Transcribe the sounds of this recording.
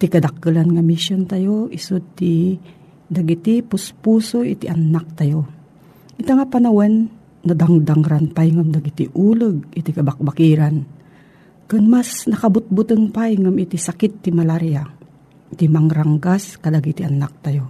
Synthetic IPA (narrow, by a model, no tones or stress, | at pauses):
t̪ikɐd̪ak̚ːɨlanŋamiʃjont̪ajoʔisʊd̪̚t̪i | d̪aɡit̪ipʊspuːsoʔḭt̪iʔanːak̚t̪ajo | ʔɪt̪aŋapanawanː | ad̪aŋd̪aŋɾanpajŋamd̪aɡit̪ḭʔulɨɡ̚ɪt̪ikɐbak̚bakiɾan | kɨnmasnɐkabʊt̪̚bʊt̪ɨŋpajŋamit̪isakɪt̪ːimalaɾija | t̪imaŋɾaŋɡaskad̪aɡit̪iʔanak̚t̪ajo